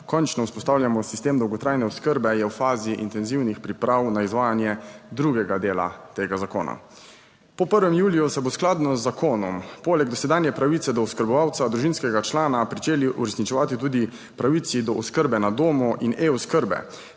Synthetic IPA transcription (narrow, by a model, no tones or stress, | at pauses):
kɔnt͡ʃnɔuspɔst̪awljamɔsist̪eːmd̪ɔwɡɔt̪ɾaːjnɛɔskəɾbɛjɛwfaːziʔint̪ɛnziwnixpɾipɾawnaizʋaːjanjɛd̪ɾuɡɛɡad̪eːla̰t̪eːɡazako̰ːna̰ | pɔpəɾʋɛmjuːlijusɛbosklaːd̪nɔzːakʰoːnɔmpoːlɛɡ̚d̪ɔsɛd̪aːnjɛpɾaʋit̪sɛd̪ɔɔskəɾbɔʋawt̪sad̪ɾuʒinskɛɡat͡ʃlaːnapɾit͡ʃeːliʔuɾɛsnit͡ʃɛʋaːt̪it̪uːd̪i | pɾaʋit̪sid̪ɔɔskəɾbɛnad̪oːmuʔinʔeɔskəɾbɛ̰